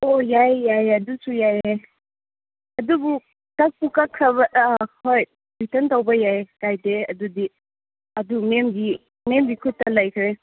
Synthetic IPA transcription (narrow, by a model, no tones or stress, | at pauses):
ojajːajɐdusujaje | ɐdubu | tak̚pukakʰːɾɐβɐhoj | bitɐntawbɐjajkajdeɐdudi | ɐdumemɡi | memɡikʰutːɐlɐjkʰɾe